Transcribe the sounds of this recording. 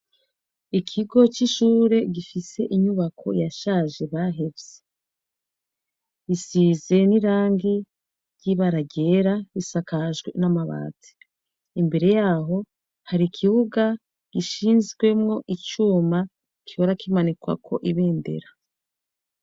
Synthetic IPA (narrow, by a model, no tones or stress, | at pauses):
ikʰiɡo̞t͡ʃiʃuːɾe̞ɡifise̞ʔiɲuβakʰo̞̰jaʃaːʒe̞βaɦe̞bze | isize̞niɾaːŋɡi | ɟiβaɾaɟeɾaβisakaʒɡwe̞̰namaβa̰ːti̥ː | mbe̞ɾe̞jaːɦo̞ | haɾikʰiβuɡa | ɡ̥iʃiːnzɡwe̞mŋo̞ʔit͡ʃuːma | kihoɾakimanikwa̰kʰo̞̰ʔiβe̞ːnde̞̰ɾa